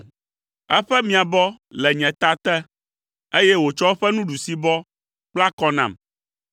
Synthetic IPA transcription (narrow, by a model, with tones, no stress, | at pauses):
ɛ˦ɸɛ˦mĩ˨a˨bɔ˦ | lɛ˨ɲɛ̃˨t̪a˦t̪ɛ˦ | e˦jɛ˦wo˨t͡ʃɔ˦ɸɛ˦nũ˦ɖu˨si˦bɔ˦ | k͡pla˦kɔ˦nã̰˨m